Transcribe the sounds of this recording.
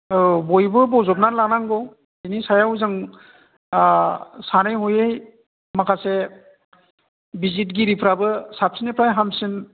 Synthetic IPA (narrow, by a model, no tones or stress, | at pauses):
bɔjbɯbɔzɔp̚nalanaŋɡɔ | inisajawzɯŋ | sanajɦɔjej | makʰase | bizit̬̚ɡiɾipʰɾabɯsap̚sinepʰɾajɦamsin